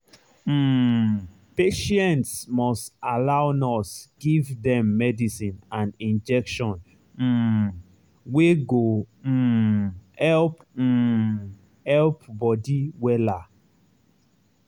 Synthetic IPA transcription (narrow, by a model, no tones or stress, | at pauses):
peʃɛ̃ntsmɔstalaʊnɔsɡ̥ivdɛ̃mːɛdisĩnãnĩnd͡ʒɛkʃɔ̃n̩ | weɡo | hɛlp̩ | hɛlpbɔdiwɛla